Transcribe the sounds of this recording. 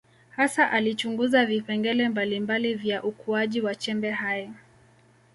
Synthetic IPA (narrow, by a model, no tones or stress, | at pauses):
hasaʔalit͡ʃuŋɡuzavipɛŋɡɛlɛmbalimbalivjaʔukuaʄiwat͡ʃɛmbɛɦajɔ